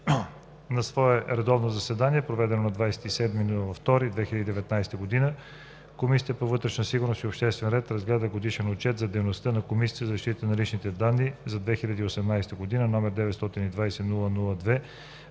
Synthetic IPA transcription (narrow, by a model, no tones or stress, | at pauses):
nɐsvɔɛɾɛd̪ɔvnozɐsɛd̪aniɛpɾovɛd̪ɛnonɐd̪vajsɛ̥t̪isɛd̪minulˠəvɐft̪ɔɾid̪vɛxilʲəd̪id̪ɛvɛt̪najst̪əɡod̪inə | komisʲit̪əpovɤt̪ɾɛʃnɐsiɡʊɾnost̪iopʃt̪ɛst̪vɛnɾɛt̪ɾɐzɡlɛd̪əɡod̪iʃɛnot͡ʃɛt̪zɐd̪ɛjnost̪ənɐkomisʲi̥t̪əzɐzɐʃt̪it̪ənɐlit͡ʃnit̪ɛd̪anːizɐd̪vɛxilʲɐd̪iːosɛmnajst̪əɡod̪inənɔmɛɾd̪ɛvɛt̪st̪ɔt̪inid̪vajsɛnulˠənulˠəd̪vɛ